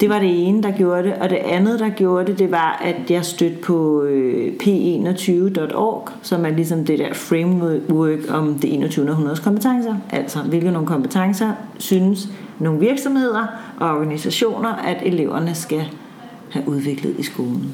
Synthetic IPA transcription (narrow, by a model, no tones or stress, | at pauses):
d̥e̝ʋɑ̈ɾ̥e̝e̝ːnəd̥ɑ̈ɡ̥jo̝ːɐɾeʔɒ̽d̥e̝ʔænð̩ˠd̥ɑ̈ɡ̥jo̝ːɐd̥e̝d̥e̝ʋɑ̈ʔæd̥jɑ̈ɪsd̥ød̥̚pʰɒ̽øpʰe̝̰ːe̝̰ːnɒt͡sʰyːʊəd̥ɒ̽d̥ɒ̰ːɡ̥sɒ̽mæɐlis̬ɒ̽md̥ed̥æɐ̰fʁeɪmwœːɡ̥ɒ̽md̥iʔe̝̰ːnɐt͡sʰyːʊnɐðˠɦunɐð̞ˠskʰɒmb̥ət͡sʰɑ̈ŋsɐʔæl̰sɒʋe̝lɡ̥ð̩no̝ːŋ̩nkʰɒ̽mb̥ət͡sʰɑ̈ŋsɐsyːnəs | no̝ːn̩ʋiɐɡ̥sɒ̽mhe̝ð̞̰ˠɐʔɒ̽ɒɡ̥ænisæɕo̝̰ːnɐʔæd̥e̝le̝ʊ̰ɐnəsɡ̥æ | hæʔuð̞ˠʋe̝ɡ̥ləð̞̩ˠisɡ̥o̝ːln̩